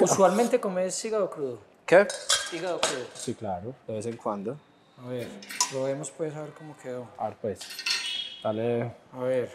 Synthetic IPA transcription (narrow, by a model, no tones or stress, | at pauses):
usualmẽnt̪ekomessiɣaokɾuðʊ | kesiɣaokɾuðosiklaɾʊd̪eβesẽŋkwãnd̪o | aβeɾɾoβemospesaeɾkomokeewa̰ɾpejs | aleaβeɾ